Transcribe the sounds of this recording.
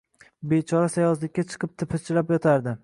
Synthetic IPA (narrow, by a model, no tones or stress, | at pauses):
bet͡ʃʰɒɾasajɒslɪkʲːat͡ʃʰɨ̥qʰɨp̚t̪ʰɪpʰɪt͡ʃʰlapjɒt̪ʰaɾd̪ɪ